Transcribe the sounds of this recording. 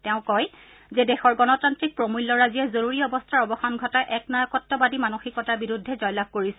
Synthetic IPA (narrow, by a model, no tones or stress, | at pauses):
tɛʊ̃kɔj | zɛdɛxɔɹɡɔnɔtantɹik̚pɹomulːɔɹazijɛzoɹuɹiɔbɔstʰaɹɔbɔxanɡʱɔtajʔɛknajɔkɔtːɔbadimanoxikɔtaɹbiɹudʱːɛzɔjlab̚koɹisɛ